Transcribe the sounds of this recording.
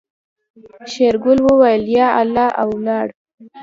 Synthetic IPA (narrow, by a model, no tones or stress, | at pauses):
ʃeɾɡʊlwəwajəljɑalːɑʔawlɑɽ